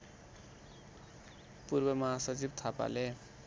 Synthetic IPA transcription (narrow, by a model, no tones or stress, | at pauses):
purbʌmʌɦasʌt͡sib̚t̪ʰapa̰le